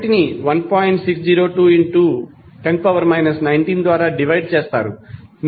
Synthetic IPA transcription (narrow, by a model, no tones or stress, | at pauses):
ʈiniʋɐnpoːjiɳʈsiksd͡ʒiːɾoːʈuːiɳʈuː | ʈeɳʈ̚pɐʋɐɾmɐjnɐsnɐjɳʈiːnd̪ʋaːɾaːɖiʋɐjɖ̚t͡ʃeːst̪a̰ːɾṵn